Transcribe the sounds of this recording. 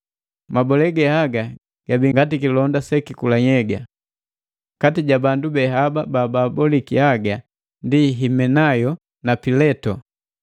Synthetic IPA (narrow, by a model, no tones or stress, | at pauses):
mabɔlɛɡɛhaɡa | ɡ̥abiŋɡatikilɔndasɛkikulaɲɛɡa | katiɟabandubɛɦababaːbabɔlikihaɡa | ndiɦimɛnajɔ | napilɛtɔ